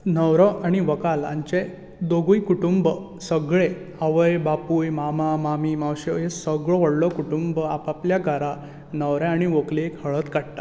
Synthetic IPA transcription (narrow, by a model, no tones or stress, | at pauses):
nəwɾɔaɽ̃iʋəkalã̰ɲt͡ɕe | d̪oɡujkuʈumbə | səɡɭe | əʋəjbapujmamamamimawɕejesəɡɭɔʋəɽlɔkuʈumbəapapljaɡʱaɾa | nəwɾẽaɽ̃iʋoklekhəɭət̪kaɽt̪ḁ